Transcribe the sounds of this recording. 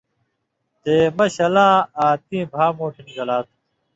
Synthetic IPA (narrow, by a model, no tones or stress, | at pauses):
t̪eːmɐɕɐlãːaːt̪̚ĩːbʱaːmoːʈʰiniɡɐlaːt̪ʰu